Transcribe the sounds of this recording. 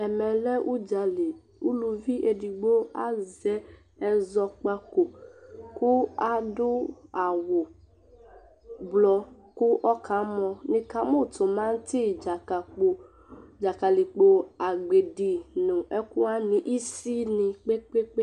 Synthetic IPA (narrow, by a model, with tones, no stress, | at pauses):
ɛ˨mɛ̃˨lɛ˦ʔu˦d͡ʒa˨le˨ | ṵ˦lu˧vi˦ʔe˧di˨ɡ͡bo˦a˦zɛ˨˦ | ɛ˧zɔ˧k͡pa˧ko˨ku˦a˦dʊ˦a˨wo˨ | blɔ˧ | ku˦ʔɔ˦kʰa˨˦mɔ̃˧nĩ˧ka˨˦mũ˦˨tʊ̃˨mã˦n̩˦ti˦˨d͡ʒa˨ka˨k͡po˧ | d͡ʒa˨ka˨li˨k͡po˧a˨ɡ͡be˨di˨nũ˨ʔɛ˦ku˦a˦nĩ˨ʔi˦si˦nĩ˧k͡pe˦k͡pe˦k͡pe˦